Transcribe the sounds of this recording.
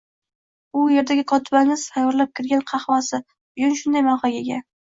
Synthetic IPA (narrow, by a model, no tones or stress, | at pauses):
ʊje̞ɾd̪aɡʲɪkʰɒt̪ʰɪbaŋʲɪz̥t̪ʰajɒɾlap̚kʲʰɪɾɡʲanqʰɑχwɒsɪ | bʊd͡ʒʊnʃʊnd̪ajmɑχɑɡʲeɡʲa